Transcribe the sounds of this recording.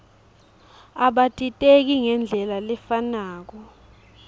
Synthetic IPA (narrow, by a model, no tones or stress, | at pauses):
aɓatʼitʼek̬iŋɛnd͡ɮʱɛlalɛfanaːk̬ɔ